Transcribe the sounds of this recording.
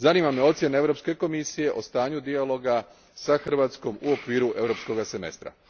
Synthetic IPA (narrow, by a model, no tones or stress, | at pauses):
zaniːmamjeo̞t̪sjeneeʋɾo̞pske̞ko̞misije̞ʔo̞st̪aːɲud̪ialo̞ɡa | saxr̩ʋaːt̪sko̞muo̞kʋiːɾuʔe̞ʋɾo̞psko̞ɡase̞me̞̰st̪ɾa̰